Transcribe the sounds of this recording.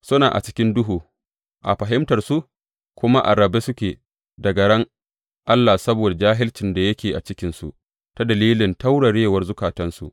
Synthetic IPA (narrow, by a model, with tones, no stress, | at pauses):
sʊ˦naː˨ʔa̰˨t͡ʃɪ˦kʲɪ˦ndʊ˦ɦuː˨ | ʔa̰˨ɸɐ˨ɦɪ˦mtɐ˨rsu˦ʔ | kʷʊ˦ma˦ʔa̰˨ɾɐ˨be˦sʊ˦kʲeː˨ | dɐ˨ɡɐ˨ɽɐ˦ŋ | ʔa˦lːa˨sɐ˦boː˨da˨d͡ʒaː˦ɦɪ˦lt͡ʃɪ˨nda˨jɐ˦kʲeː˨ʔa˨t͡ʃɪ˦kʲɪ˨˦nsṵ˨ʔ | ta˦dɐ˨liː˦lɪ˨nta˦wɽɐ˨ɽeː˦wɐ˦rzʊ˦kaː˨tɐ˦nsṵ˨ʔ